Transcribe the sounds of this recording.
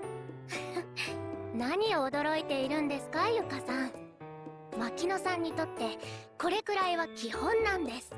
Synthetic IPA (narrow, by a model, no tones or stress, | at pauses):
naɲ̟io̞ːd̪o̞ɾo̞it̪e̞iɾɯ̟̃nd̪e̞sɨ̥kajɯkasãɴ | makʲino̞sãɲ̟ːit̪o̞t̪ːe̞ko̞ɾe̞kɯ̟ɾaiβakʲihõ̞nːãnd̪e̞sɨ̥